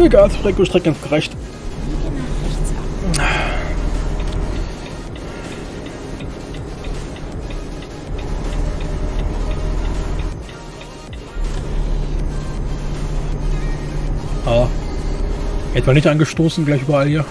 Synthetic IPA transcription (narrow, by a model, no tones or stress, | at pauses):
eɡaːlsfʁɛːkotʁ̥ɛk̚ɡ̥ansɡ̥əʁɛçt | ʔa | ɛtmaːnɪçtanɡəʃtoːsn̩ɡlaɪçʔyːbɐaljaː